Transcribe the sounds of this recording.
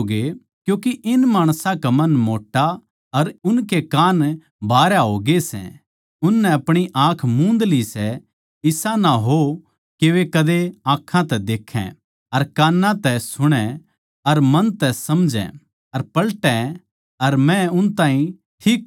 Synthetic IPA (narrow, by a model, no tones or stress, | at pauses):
ɡe | kjũːkiʔɪnmaːɽ̃sãkamɐnmoːʈːa | ɐɾʊnkekaːn | bʱaːɾjaɦoɡesɛ̰̃ | ʊnːɛɐpɽ̃iʔãːkʰmũːnd̪lisɛ | ɪsãnaɦo | keʋekɐd̪eãːkʰːãt̪ɛd̪eːkʰɛ̰̃ | ɐɾkaːnːãt̪ɛsʊɽ̃ɛ̃ | ɐɾmɐnt̪ɛsɐmd͡ʒɛ̰̃ | ɐɾpɐlʈɛ̃ | ɐɾmɛ̃ʊnt̪ãːɦĩ | ʈʰiːk